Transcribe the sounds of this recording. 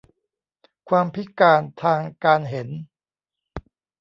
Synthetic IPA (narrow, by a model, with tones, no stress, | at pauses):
kʰwaː˧mpʰi˦˥kaː˧nt̪ʰaː˧ŋkaː˧nɦe˩˦n